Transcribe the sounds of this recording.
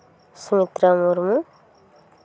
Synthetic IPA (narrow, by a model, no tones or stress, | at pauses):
sumit̪ɾamuɾmu